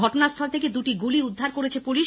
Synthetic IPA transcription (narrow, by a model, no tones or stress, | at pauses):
ɔʈonaɾst̪ʰɔlt̪eked̪uʈiɡuliud̪ʱːaɾkoɾet͡ɕʰepuliʃ